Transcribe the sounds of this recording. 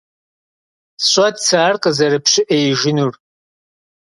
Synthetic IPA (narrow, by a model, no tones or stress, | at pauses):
ɕʷʼɐdsaːrqʼəzɐɾɨpɕɪʔejʒɪnur